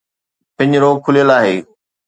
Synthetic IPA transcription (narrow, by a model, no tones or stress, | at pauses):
pɪ̃ɲd͡ʑɾoːɡ̚kʰʊlijəlaːɦeː